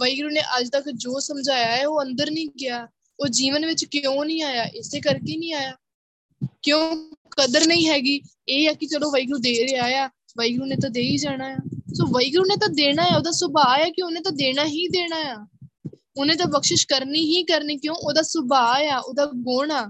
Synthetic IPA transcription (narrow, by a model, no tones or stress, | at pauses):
ʋəiːɡɾuːneːʔəd͡ʒt̪əkd͡ʒoːsəmd͡ʒaːjaːɛːoːə̃nd̪əɾnĩːɡɪjaː | oːd͡ʒiːʋənʋɪt͡ʃkõːnĩːaːjaːʔɪseːkəɾkeːnĩːaːjaː | kjõːkəd̪əɾnəĩːɦɛːɡiː | eːɛːkɪt͡ʃəlõːʋəiːɡɾuːd̪eːɾeːaːjaː | ʋəiːɡɾuːnẽːt̪̬ãːd̪eːiːd͡ʒaːɽ̃aːjaːsoːʋəiːɡɾuːnẽːt̪ãːd̪eːɽ̃aːjaːoːd̪aːsʊbaːjaːkɪʊnẽːt̪ãːd̪eːɽaːɦĩːd̪eːɽ̃aːjaː | ʊnẽːt̪̬ãːpəkʃɪʃkəɾniːɦĩːkəɾniːkjõːʔoːd̪aːsʊbaːjaːʔoːd̪aːɡoːɳaː